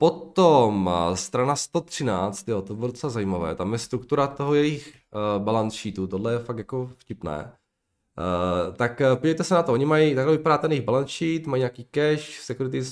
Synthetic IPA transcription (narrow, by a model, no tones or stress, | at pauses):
pot̪omst̪ɾanast̪ot̪r̝̥ɪna̰ːt͡st̪joːt̪obɛdot͡sɛlazajiːmavɛ̰ːt̪amjɛst̪ɾukt̪uɾat̪oɦojɛjix | balanʃiːt̪ut̪odlɛjɛfak̚t̪jakofcɪpnɛ̰ː | t̪akpoɟɛɛjt̪ɛsɛnat̪ooɲɪmajit̪aɡlɛvɪpadaːt̪ɛnjiɣbalanʃiːt̪majɲaːkiːkɛʃsɛkuɾɪt̪ɪ